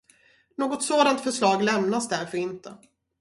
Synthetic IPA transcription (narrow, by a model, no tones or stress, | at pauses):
noːɡɔt̪soːd̪ant̪fœʂɭɑːɡlɛmnasd̪æɾfœɾɪnt̪ə